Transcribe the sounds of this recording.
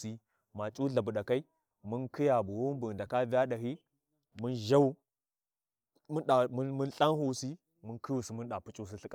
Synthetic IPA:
si˦ | ma˨t͡ʃʼu˦ɮa˨bu˨ɗa˨ka˦i˦ | mu˦nkʰi˦ja˨bu˨wo˦m˦bu˨da˨ka˦vi˦ja˦ɗa˨ɦi˦ | mu˦nʒa˦u˦ | mu˦nɗa˨m˦mu˦nɬa˦nhu˦si˦ | mu˦kʰi˦wu˨si˨mu˦nɗa˨pu˦t͡ʃʼu˦s̬i˦ɬi˦kʼa˨

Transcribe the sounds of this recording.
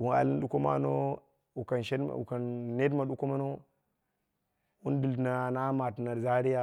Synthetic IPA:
wu˨na̰˨li˦n˦ɗu˦ko˦ma̰˦no˦ | u˨ka˨nʃḛ˦˨ṵ˨ka˨nːe˦dma˨ɗu˦ko˦ma˦no˦ | wu˦n˦di˨lna˨na˦ma˨tna˨za˦ɾi˦ja˦

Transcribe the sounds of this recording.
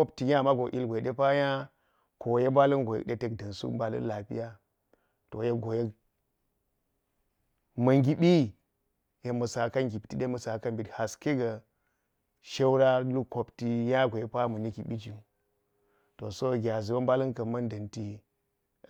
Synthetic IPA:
o˦pti˨ja˦˨ma˦ɡo˨ʔḭ˦lɡʷo˨je˨ɗe˦pa˦ja˦ | ko˨je˦ba˦li˦nɡo˨jḛ˦kɗe˦te˦kdɐ˨nsṵ˦ba˨lṵ˦n˦la˨pḭ˦ja˦ | to˨je˦ɡo˨je˦k | mɐ˨ŋɡi˦bi˦ | je˨mɐ˨sa˨kɐ˦nɡʲi˨pti˨ɗe˦mɐ˨sa˨kɐ˦mbi˨tha˨ske˦ɡa˨ | ʃe˦wɾa˦lu˦ko˨pti˦ja˦ɡo˨je˦pa˦mu˨ni˦ki˨ɓi˦d͡ʒi˦ | to˨so˦ɡʲa˨zi˨wo˦mba˦li˦nkɐ˨mɐ˦ndɐ˨nti˦˨

